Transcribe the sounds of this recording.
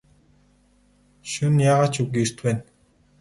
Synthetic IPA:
ʃʊnjaːʁaːt͡ɕʰɵwɡʲiːrt̪pæːn

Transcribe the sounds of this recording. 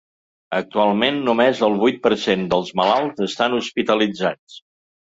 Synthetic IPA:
ək̚t̪ualˠmenːumezəlˠβujt̪̚pəɾsend̪əlˠzməlalˠzəst̪anuspit̪əlid͡zat͡s

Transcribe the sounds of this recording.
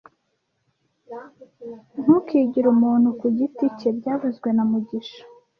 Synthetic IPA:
n̥hukiːɟiɾumuːn̥hukuɟitice̞bɟaːvuzɡwe̞namuɟiʃḁ

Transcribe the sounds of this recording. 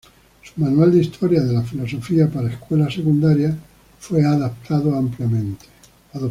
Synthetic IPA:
sumanuald̪ist̪ʰo̞ɾjaðe̞lafilo̞so̞fiapaɾaeskwe̞lasekund̪aɾja | fwe̞aðap̚t̪ʰaðoampljamẽnt̪e̥ | aðo

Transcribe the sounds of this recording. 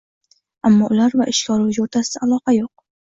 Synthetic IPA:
amːɒʔʊlaɾvaʔɪʃkʲɒɾud͡ʒoɾt̪ʰasɪaalˠɒqɑjoq̚

